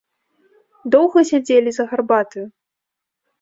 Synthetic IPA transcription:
d̪ɔwɣɐsʲad͡zʲelʲizɐɣarbat̪ɨju

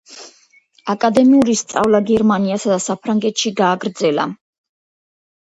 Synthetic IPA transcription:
akʼad̪ɛmiuɾist̪sʼa̰vlaɡɛɾmaniasad̪asapʰɾaŋɡɛt̪ʃiɡaːɡɾd̪zɛla̰

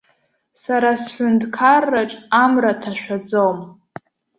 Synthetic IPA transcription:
saɾasħʷᶣʊndkʰarːaʈ͡ʂʼamratʰaʃᶣʷad͡zom

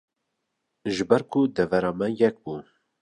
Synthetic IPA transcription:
ʒɨbɛɾkʰud̪ɛvɛɾɑːmɛjɛk̚buː

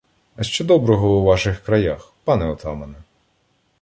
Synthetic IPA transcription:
ɐʃt͡ʃɔd̪ɔbɾɔɦɔwuʋɑʃɪxkɾɐjax | pɑnɛɔt̪ɑmɐnɛ

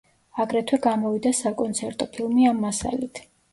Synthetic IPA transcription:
aɡɾɛt̪ʰwɛɡamɔvid̪asakʼɔnt̪sʰɛɾt̪ʼɔpʰilˠmiamːasa̰lit̪ʰ

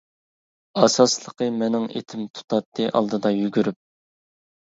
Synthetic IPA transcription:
ɑsɑslˠəqəmɛnɪŋḛt̪ʰɪmt̪ʰu̥t̪ʰɑt̪ʰːɨʔɑ̰lˠd̪ɨd̪ɑjyɡʲyɾyp̚

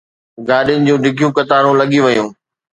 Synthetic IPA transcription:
ɡaːɗjʊnɪ̆d͡ʑũːɖʱɪɡʱijũkɐt̪aːɾũlɐɠijũʋɐjũː

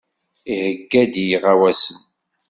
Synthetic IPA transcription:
ihəɡːæd̪jiʁawæsən

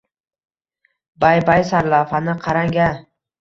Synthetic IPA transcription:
bajbajsaɾlafanɪqʰɑɾaŋɡʲa

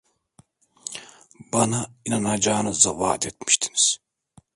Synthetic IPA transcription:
banainanad͡ʒaːnɯzava̰ːt̪ʰet̪mi̥ʃt̪ʰi̥niz̥

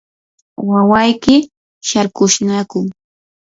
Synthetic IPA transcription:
wawajkɪ | ʃaɾkʊʃnakʊŋ

